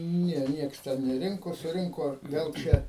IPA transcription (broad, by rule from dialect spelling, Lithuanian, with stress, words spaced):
ˈnʲɛ ˈnʲiɛks ˈtʲɛn nʲɛˈrʲɪŋkoː sʊˈrʲɪŋkoː ʋʲɛlˠ ˈt͡ʃʲɛ